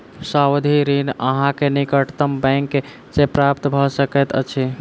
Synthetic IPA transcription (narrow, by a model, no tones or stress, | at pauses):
sawd̪ʱiɾinə̰ɦãkenikəʈt̪əmbɛ̃ŋkːe | d͡ʒepɾapt̪bʱɔsəkɛt̪ə̰t͡ʃʰi